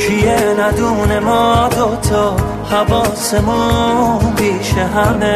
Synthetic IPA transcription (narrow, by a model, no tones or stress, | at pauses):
ʃijeɾad̪uːnemɔːd̪ot̪ʰɔː | havɔːsemɔ | biːʃeɦame